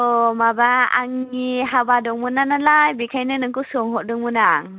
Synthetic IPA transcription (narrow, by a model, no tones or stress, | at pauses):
omabaa̰ŋiɦabadɔŋmunanalajbikʰajnɯnɯŋkusuŋɦɔʔdɔŋmunaŋ